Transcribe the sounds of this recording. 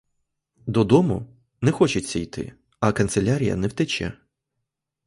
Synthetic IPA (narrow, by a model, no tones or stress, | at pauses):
d̪ɔd̪ɔmʊ̰ | nɛxɔt͡ʃɪt͡sʲːɐjt̪ɪ̰ | ɐkɐnselʲaɾʲijɐ̰nɛwt̪ɛt͡ʃɛ̰